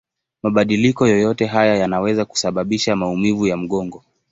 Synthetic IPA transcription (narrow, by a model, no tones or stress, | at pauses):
maɓaɗilikɔjɔjɔtɛɦajajanawɛzaku̥saɓaɓiʃamaumivujam̩ɠɔŋɡɔ